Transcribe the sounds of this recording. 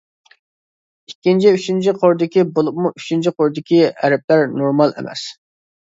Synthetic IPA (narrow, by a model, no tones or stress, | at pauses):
ikʲːint͡ʃʰiyt͡ʃint͡ʃʰiqʰoɾd̪ɪkʲibolˠup̚muyt͡ʃʰint͡ʃʰiqʰoɾd̪ɪkʲiɛ̰ɾɛp̚læɾnoɾmɑlˠḛmɛ̰s